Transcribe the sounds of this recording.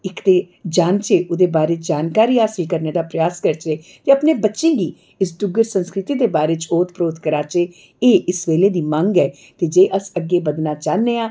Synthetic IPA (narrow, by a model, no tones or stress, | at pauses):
ɪkd̪eː | d͡ʒaːnt͡ʃeːʔʊd̪eːbaːɾeːt͡ʃd͡ʒaːnkaːɾiːaːsikəɾneːd̪aːpɾəjaːskəɾt͡ʃeːt̪eəpneːbətːʃẽːɡiː | ɪsd̪ʊɡəɾsə̃nskɾɪt̪iːd̪eːbaːɾeːt͡ʃoːt̪ʰpɾoːt̪kəɾaːt͡ʃe | eːʔɪsʋeːleːd̪iːmə̃ŋɡɛː | t̪eːd͡ʒeːʔəsəɡːeːbəd̪naːt͡ʃaːnːeːãː